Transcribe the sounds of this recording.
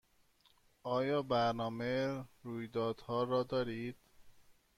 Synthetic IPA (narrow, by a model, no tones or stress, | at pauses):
ʔɒːjɒːbæɾnɒːmeɾuːjd̪ɒːd̪̥hɒːɾɒːd̪ɒːɾiːd̪̥